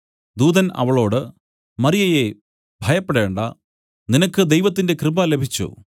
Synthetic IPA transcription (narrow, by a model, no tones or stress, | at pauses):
d̪uːd̪ɐnɐ̰ʋɐɭo̞ːɽɨ | mɐrijɐje | bʱɐjɐpːeɽe̞ːɳɖɐ | ninɐkːɨd̪ejʋɐt̪ːinde̞krɨbɐle̞bʱit͡ɕːṵ